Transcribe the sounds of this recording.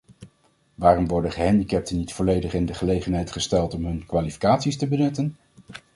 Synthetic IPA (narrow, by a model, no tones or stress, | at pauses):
ʋaːrɔmʋɔɹdəχəɦɛndikɛp̚tənitfɔlejdəχɪndəχəlejχənɦɛjtχəstɛlˠtɔmɦɵnkʋaːlifi̥kaːtsistəbənɵtən